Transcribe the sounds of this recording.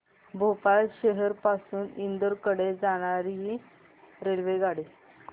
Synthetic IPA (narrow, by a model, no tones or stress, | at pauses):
bʱopaɕeɦəɾpasuːnind̪əɾkəɽed͡zaɽ̃aɾiɦi | ɾelʋeɡaɽi